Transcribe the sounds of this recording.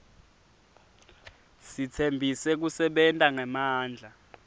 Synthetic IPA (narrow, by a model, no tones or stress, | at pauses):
sit͡sʰembʱisɛk̬usɛɓɛntʼaŋɛmaːnd͡ɮʱa